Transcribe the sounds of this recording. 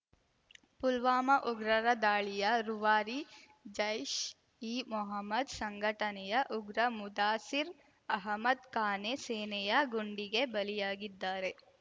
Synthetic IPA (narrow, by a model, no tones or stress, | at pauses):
pulʋaːmɐʔuɡɾɐɾɐd̪aːɭijɐɾuʋaːɾi | d͡ʒɐjʃ | iːmɔɦɐmːɐd̪sɐŋɡʱɐʈɐnɛjɐʔuɡɾɐmud̪aːsiɾ | ɐɦɐmɐd̪kaːneseːnɛjɐɡuɳɖiɡe̞bɐlijaːɡid̪ːaːɾe̞